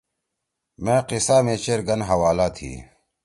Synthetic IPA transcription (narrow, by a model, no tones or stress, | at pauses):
mẽːqɪsaːmeːt͡ɕeːɾɡɐnɦɐwaːlaːt̪ʰḭː